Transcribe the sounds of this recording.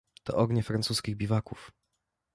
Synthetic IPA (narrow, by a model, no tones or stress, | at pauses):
t̪ɔ̰ʔɔɡɲɛfɾansuskʲiɣbʲivakuf